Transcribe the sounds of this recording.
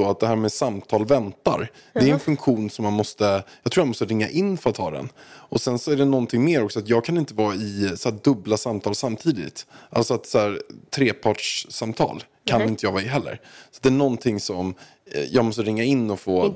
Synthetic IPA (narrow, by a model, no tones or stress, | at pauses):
ɔat̪̚d̪ɛɦæːɾmɛːsamt̪ʰɑːlvɛnt̪a̰ɾ | d̪ɛæɾɛnfɵŋkɧuːnsɔmːanmɔst̪əjɑɡt̪ʰɾuːɾjanmɔst̪əɾɪŋːaʔɪnːfœɾat̪hɑːd̪ɛ̰nʔɔsɛnsɔæɖɛnɔnt̪ʰɪŋːmeːɾɔksɔat̪jɑːɡ̚kʰanɪnt̪əvɑːɪsɔhæːd̪ɵblasamt̪ʰɑːlsamːt̪ʰiːd̪ɪ̰t̪ʔa̰lsɔat̪shæːɾt̪ʰɾeːpʰɑːʈʂsamt̪ʰɑ̰ːl | kʰanɪnt̪əjɑːɡvɑːɪɦɛlːə̰ɾsat̪̚d̪ɛːɳɔnt̪ʰɪŋsɔm | jɑːɡmɔst̪əɾɪŋːaɪnːɔfoː